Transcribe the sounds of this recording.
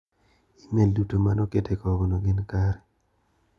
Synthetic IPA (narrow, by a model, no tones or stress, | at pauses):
imeldutomanɔketʰekɔɡonoɡɪnkaɾɛ